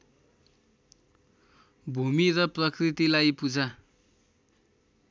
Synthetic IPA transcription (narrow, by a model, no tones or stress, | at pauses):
bʱumirʌprʌkrit̪ilajpud͡za